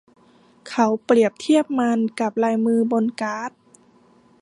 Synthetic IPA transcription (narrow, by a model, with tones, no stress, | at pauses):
kʰa˧˥wpɾi˨˩əp̚t̪ʰi˥˩əp̚ma˧nka˨˧˩p̚laː˧jmɯː˧bo˧nkaː˧˦˥t̪̚